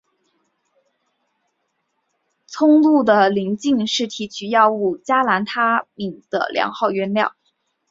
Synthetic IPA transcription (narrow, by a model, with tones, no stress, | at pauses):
t͡sʰʊ˥ŋlu˥˩d̪ə˩li˧˥ŋt͡ɕi˥˧ŋʂɻ̩˥˩t̪ʰi˧˥t͡ɕʰy˧˥jɑ˥˧ʊu˥˩t͡ɕja˥la˧˥nt̪ʰa˥mi˨˩ŋd̪̥ə̰˧˩ljɑ̰˧˥ŋxɑ˥˩ʊɥɛ˥nljɑ˥˩ʊ